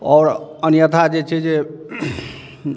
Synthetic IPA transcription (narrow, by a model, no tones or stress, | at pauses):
ɔːɾənjət̪ʰad͡ʒet͡ʃʰɛd͡ʒe